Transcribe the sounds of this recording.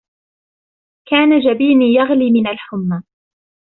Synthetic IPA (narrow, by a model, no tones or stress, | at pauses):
kaːnad͡ʒabiːmiːjaɣliːmɪnalħʊmːa